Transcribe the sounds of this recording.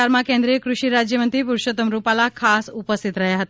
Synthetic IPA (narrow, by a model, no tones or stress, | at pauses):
aɾmãkẽnd̪ɾijəkɾuʃiɾad͡ʒjəmənt̪ɾipuɾʃot̪əmɾupalakʰasupəst̪ʰit̪ɾəɦjaɦət̪a